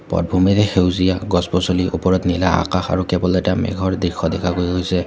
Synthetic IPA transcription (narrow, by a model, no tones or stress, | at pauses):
pɔ̰d̚bʱumɛtɛxewzijaɡɔspɔsoliʔopɔɹɔtnilaa̰kaxa̰ɹukɛbɔletamɛ̰ɡʱɔɹdɹixʰɔdɛkʰakoɹiɦojsɛ